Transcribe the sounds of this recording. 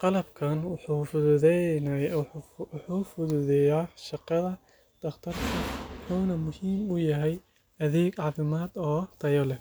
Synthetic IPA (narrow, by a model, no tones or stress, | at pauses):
qɑlɐbkʰɐnwʊħuːfʊðʊðɛn | ħuːfʊðʊðɛjaːʃɑqɑðɐ | d̪̥ɐχt̪ʰɐrkʰɐwʊħuːnɐmʊhiːmʊjɐɦɛj | ɐðɛːɡɑθɪmaːd̪ɔːt̪ʰɐjɔlɛ